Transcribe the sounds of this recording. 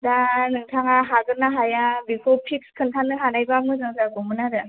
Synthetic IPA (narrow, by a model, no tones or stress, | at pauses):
danɯŋtʰaŋaɦaɡɯnaɦajabikʰɔpʰik̚skʰɯntʰanːɯɦanajbamɯzɯŋsaɡɔmɯnaɾɯ